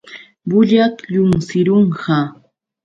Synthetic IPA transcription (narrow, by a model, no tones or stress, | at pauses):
bʊʎat̪ʎʊmsɪɾoɴɢɑ